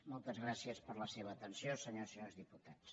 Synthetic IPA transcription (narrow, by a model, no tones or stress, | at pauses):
mɔlˠt̪əzɣɾasiəspəɾləseβəːt̪ənsjosəɲosəɲozðiput̪as